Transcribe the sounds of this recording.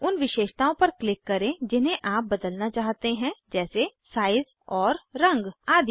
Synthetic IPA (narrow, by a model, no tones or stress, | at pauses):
ʊnʋɪʃeːʃt̪aːõpɐɾklɪkːɐɾẽd͡ʒɪnɦẽʔaːp̚bɐd̪əlnat͡ʃaːɦt̪eɦɛ̃d͡ʒɛːsesaːɪz | ɔːɾːɐ̃ŋɡaːd̪ʱ